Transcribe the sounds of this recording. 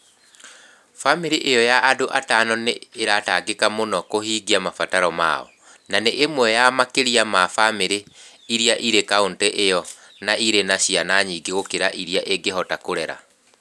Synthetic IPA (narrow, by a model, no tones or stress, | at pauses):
famiɾiʔejɔjaʔːdoʔatanɔneːɾataɡekamonɔkohiːɡiamafataɾɔma̰ɔ̰ | naneʔemwɛjamakeɾiamafameɾe | iɾiaʔiɾekaontɛʔejɔ | naiɾenaɕianaɲiɡeɣokeɾaʔiɾiaʔeɡeɦɔtakoɾɛɾa̰